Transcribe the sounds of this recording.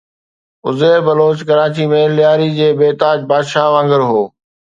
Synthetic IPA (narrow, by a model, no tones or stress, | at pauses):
ʊzeːɾbɐloːt͡ɕkɐɾaːt͡ɕimẽlɪjaːɾid͡ʑeːbeːt̪aːd͡ʑbaːd̪ʃaːɦʋãːŋɡəɾɦoː